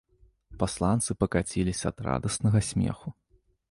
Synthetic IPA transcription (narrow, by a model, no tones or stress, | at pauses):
paslˠant̪sɨpɐkat͡sʲilʲisʲɐːd̪ra̰d̪ɐsnɐɣɐsʲmʲɛ̰xu